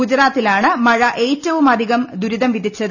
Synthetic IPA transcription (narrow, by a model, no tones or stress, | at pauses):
ɡud͡ʑɾaːt̪ːilaːɳɨmɐɻɐʔe̞ːtːɐʋumɐd̪ʱiɣɐmd̪uɾiðɐmʋid̪ʱit͡ɕːɐðɨ